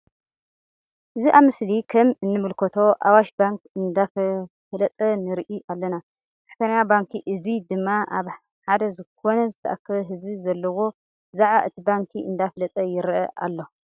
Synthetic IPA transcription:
ʔɨziʔaβmɨslikʰɐmɨnːɨmɨlkʰɐt̪ʰo̞ʔawaʃbaŋkɨnd̪af | flɐt̪ʼɐnɨɾʔiʔalːɐna | tʰaħt̪ʰɐnɐjabaŋkʰiʔɨzid̪ɨmːaʔaβ | ħad̪ɐzɨkʰo̞nɐzɨt̪ʰɐʔakʰːɐβɐɦɨzbizɐlːɐwo̞ | zaʕβaʔɨt̪ʰibaŋkʰiɨnd̪afɐlɐt̪ʼɐjɪɾʔɐʔa̰lːo

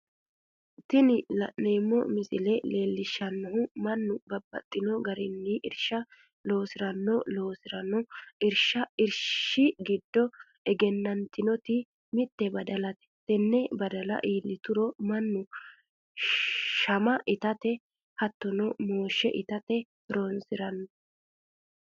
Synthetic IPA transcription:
t̪ːɪnɪlɐneːmːɔ̰mɪsɪlɛle̞ːlːɪʃːɐnːɔɦʊmɐnːʊbɐbːɐ̰t̪ʼːɪnɔɡɐɾɪnːiʔɪɾʃɐ | lo̞ːsɪɾɐnːɔlo̞ːsɪɾɐnɔɪɾʃɐɪɾʃɪɡɪd̪ːɔ | ɛɡɛnːɐnt̪ɪnɔt̪ɪ | mɪt̪ːɛbɐd̪ɐlɐt̪ɛ̥t̪ɛnːɛbɐd̪ɐlɐ̰ʔiːlːɪt̪ʊɾɔmɐnːʊ | ʃɐmɐʔɪt̪ɐt̪ɛ | hɐt̪ːɔnɔmoːʃːɛ̰ʔɪt̪ɐt̪ɛ | ɾoːnsɪɾɐnːɔ

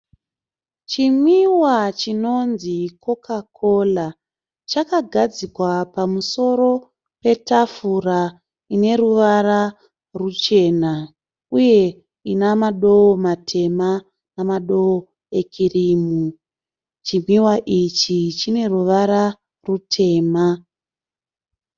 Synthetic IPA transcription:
t͡ʃimwiwat͡ʃino̞nziko̞kakʰo̞la | t͡ʃakaɡʱad͡zikwapamuso̞ɾo̞ | pe̞tafura | ine̞ruʋaɾa | rut͡ʃe̞na | uje̞ | inamaɗo̞omatʰe̞ma | namaɗo̞o | e̞kʰirimu | t͡ʃimwiwaʔit͡ʃit͡ʃine̞ruʋaɾa | rutʰe̞ːma

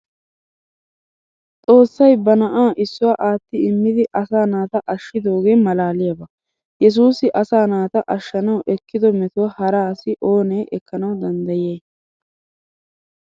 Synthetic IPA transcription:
t͡sʼo̞ːsːɐjbɐnɐʔaːʔɪsːʊwaːʔaːt̪ːɪɪmːɪd̪ɪʔɐsaːnaːt̪ɐʔɐʃːɪd̪o̞ːɡe̞ːmɐlaːlɪjɐbɐ | jɛs̬uːsɪʔɐsaːnaːt̪ɐʔɐʃːɐnɐwʔɛkːɪd̪ɔmɛt̪ʊwhɐɾaːsɪʔo̞ːneːʔɛkːɐnɐwd̪ɐnd̪ɐjeː

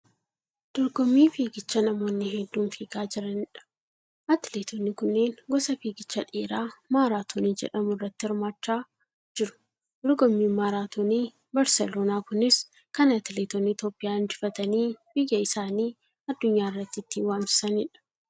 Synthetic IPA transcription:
d̪̥ɔɾɡɔmːiːfiːɡɪt͡ʃːɐnɐmo̞ːnːɪɦɛd̪ːuːnfiːɡaːd͡ʒɪɾɐnɪᶑɐ̥ | ʔɐt̪ɪleːt̪ʰonːɪkʊnːe̞ːnɡɔsɐfiːɡɪt͡ʃːɐᶑeːɾaːmaːɾaːt̪ʰoːniːd͡ʒɛ̰ᶑɐmʊrːɐt̪ːɪhɪɾmaːt͡ʃːaː | d͡ʒɪɾʊ̥ | d̪ɔɾɡɔmːiːmaːɾaːt̪oniː | bɐɾsɛloːnaːkʊnɪs | kɐnɐt̪ɪleːt̪onit̪oːpʼːɪjaːnd͡ʒɪfɐt̪ɐniːbɪjːɐɪsaːniː | ɐd̪ːʊɲːaːɪrːɐt̪ːɪɪt̪ːiwaːmsɪ̥sɐnɪᶑɐ̥

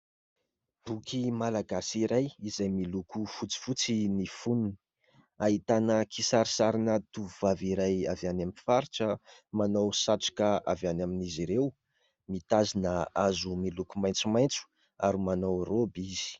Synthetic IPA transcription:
b̥ukʰimalaɡasiɾajizajmilukufut͡si̥fut͡sinifununi̥ | aɦit̪anəkʰisaɾisaɾinət̪uvuvaviɾajavjanamifaɾiʈ͡ʂəmanowsaʈ͡ʂḁkaavanaminiziɾew | mit̪azinəazumilukumajnt͡sumajnt͡su̥ | aɾimanowrobiz̥i̥

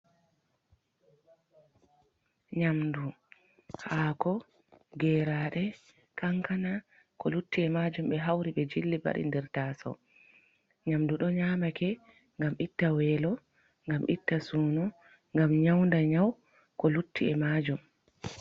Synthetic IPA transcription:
ɲamdu | haːkɔ | ɡɛɾaɗɛ | kaŋkana | kɔlutːiɛmad͡ʒumɓɛɦawɾiɓɛd͡ʒilːiba̰ɗḭndɛɾtasɔ̰ | ɲamduɗɔɲaːmakɛ | ŋɡamʔitːawɛːlɔ | ŋɡamʔitːasuːnɔ | ŋɡamɲawndaɲaw | kɔlutʰːiɛmad͡ʒum

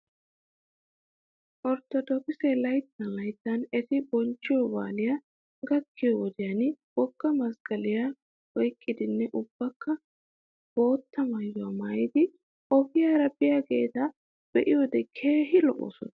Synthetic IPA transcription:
ʔɔɾt̪ːɔd̪ɔkɪsɛlɐjt̪ːɐnlɐjt̪ːɐnɛt̪ɪbɔnt͡ʃːɪjɔba̰ːlɪja | ɡɐkːɪjɔwɔd̪ɪjanb̥ɔɡːɐmɐsɡ̥ɐlɪja | wɔjkʼːɪd̪ɪnːɛʔʊb̥ːɐkːɐ | b̥o̞ːt̪ːɐmɐjːʊaːmaːjɪd̪ɪ | ʔɔbɪjaːɾɐbɪjaɡe̞̰ːt̪ɐ | b̥ɛʔɪjod̪ɛkʰe̞ːɦɪlɔ̰ʔɔ̰sɔ̰nɐ

